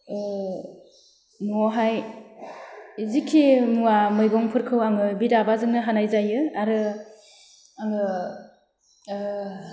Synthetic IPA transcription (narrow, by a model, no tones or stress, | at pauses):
mɔɦaj | zikʰːimuamɯjɡɔŋpʰɯɾkʰɯwaŋɯbidabazɯŋnɯɦanajzajɯaɾɯ | aŋɯ